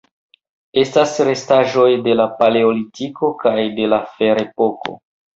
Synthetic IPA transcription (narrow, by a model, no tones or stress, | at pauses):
e̞stasɾe̞staʒo̞jde̞lapale̞olitiko̞kajde̞lafe̞ɾe̞po̞ko̞̰